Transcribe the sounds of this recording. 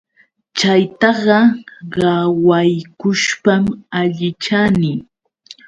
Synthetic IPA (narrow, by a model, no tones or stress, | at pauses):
t͡ʃajt̪ɑɢɑɢɑwajkʊʃpamaʎɪt͡ʃanɪ